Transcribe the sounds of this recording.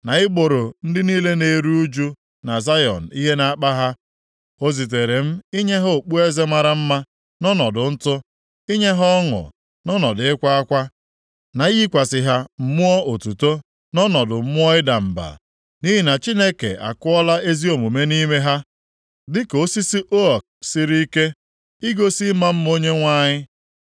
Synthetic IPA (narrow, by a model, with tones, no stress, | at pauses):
na˨ɪ˦ɡ͡bo˨ɾo˨n̩˦dɪ˦niː˦le˦ne˨ɾu˦u˦d͡ʒu˦ | na˨za˦jɔ̰˨n̩˨i˦ɦe˦na˨a˦k͡pa˦ɦa˦ | o˦zi˨t̬e˨ɾe˨m̩˦i˦ɲe˦ɦo˦˨k͡pu˦e˦ze˦ma˦ɾa˦m̩˦ma˦ | nɔ˦nɔ˨dʊ˨n̩˦tʊ˦ | i˦ɲe˦ɦɔ˦ŋʊ̰˨ | nɔ˦nɔ˨dɪ˨ɪ˦kʷa˦a˦kʷa˦ | na˨i˦i˦kʷa˨sɪ˦˨ɦa˦m̩˦mʊ˦ɔ˦o˨tu˨to˦ | nɔ˦nɔ˨dʊ˨m̩˦mʊ˦ɔ˦ɪ˦da˨m̩˨ba̰˨ | ni˦ɦi˨na˨t͡ʃi˦ne˦kḛ˨a̰˨kʊ˦ɔ˦la˦e˦zi˦o˨mu˨me˦ni˦me˦ɦa˦ | dɪ˦ko˦si˦si˦ʔo˦ɔ˨k̚si˦ɾi˦i˦ke˦ | i˦ɡo˦si˦ma˦m̩˦mo˦ɲe˦ŋʷa˦ɲɪ˦